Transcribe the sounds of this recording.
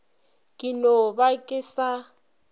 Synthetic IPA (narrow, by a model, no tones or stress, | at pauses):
kʼinɔβakʼɪsa